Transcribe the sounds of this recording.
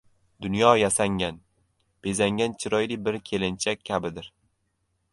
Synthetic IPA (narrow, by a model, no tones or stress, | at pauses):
d̪ʊnjɒjasaŋʲan | b̥e̞zaŋɡʲant͡ʃʰɪɾɒjlɪbɪɾkʲʰe̞lɪnt͡ʃʰakʲʰːabɪd̪ɪɾ